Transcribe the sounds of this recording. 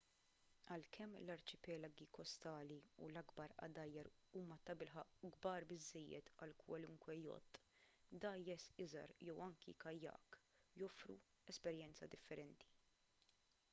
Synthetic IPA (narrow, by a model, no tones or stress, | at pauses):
ɐlkʰɛmːlɐɾt͡ʃɪpɛlɐɡikɔst̪ɐːliṵlɐɡbɐɾʔɐ̰d̪ɐjːɐɾuːmɐt̪ɐbɪlħɐʔɡbɐːɾbɪzːɛjːɛ̰t̪ɐlkwɐlʊŋkwɛjɔ̰t̪ʼːd̪ɐjːɛsɪzɐ̰ɾjɛwɐŋkḭkɐjːɐ̰ːk | jɔfɾṵ | ɛspɛɾjɛnt͡sɐ̰d̪ɪfːɛɾɛnt̪i̥